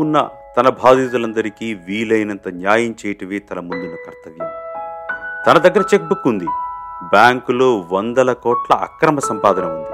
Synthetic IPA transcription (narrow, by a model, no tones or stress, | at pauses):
unːɐ̰t̪ɐnɐbʱaːd̪iːt̪̬ulɐnd̪ɐɾikiːʋiːlɐjnɐnt̪ɐnjaːjɐmt͡ʃɛːjɐʈɐʋeːt̪ɐnɐmund̪inɐkɐɾt̪ɐʋjɐ | t̪ɐnɐd̪ɐɡːɐɾɐt͡ʃek̚bukːund̪ibjaːŋkulo̞ːʋɐnd̪ɐlɐkɔːʈlɐ̰ʔɐ̰kɾɐmɐsɐmpaːd̪ʱɐnɐund̪i